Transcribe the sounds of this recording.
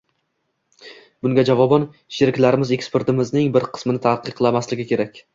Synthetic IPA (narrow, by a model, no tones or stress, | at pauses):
bʊŋɡʲad͡ʒavɒbɒn | ʃeɾɪkʲlaɾɪmɪze̞kspe̞ɾt̪ɪmɪznɪŋbɪɾqʰɨ̥smɪnɪt̪ʰaqʰɨqlˠamaslɪɡʲɪkʲʰe̞ɾakʲ